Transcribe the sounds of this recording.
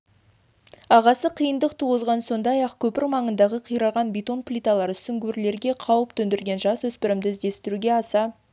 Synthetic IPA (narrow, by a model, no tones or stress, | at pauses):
ɑʁɑsəqʰijənd̪əq̚t̪ʰuʁəzʁɑnso̞nd̪ɑjɑqkʲʰɵpɪɾmɑɴənd̪ɑʁəqʰijɾɑʁɑnbit̪o̞nplʲijt̪ɑlˠɑɾʏst̪ɪŋkʲʰɵɾle̞ɾɡʲe̞qʰɑwəpt̪ʰɵnd̪ɪɾɡʲe̞nʒɑswɵspɪɾɪmd̪ɪzd̪e̞st̪ɪɾuɡʲe̞ɑsɑ